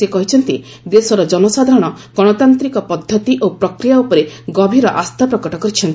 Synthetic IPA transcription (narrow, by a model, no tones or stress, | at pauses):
sekɔɦit͡ʃʰɔnt̪i | d̪esɔɾɔd͡ʒɔnɔsad̪ʱaɾɔɽ̃ɔ | ɡ̥ɔɽ̃ɔt̪ant̪ɾikɔpɔd̪ʱːɔt̪iʔopɾɔkɾijaupɔɾeɡɔbʱiɾɔʔast̪ʰapɾɔkɔʈɔkɔɾit͡ʃʰɔnt̪i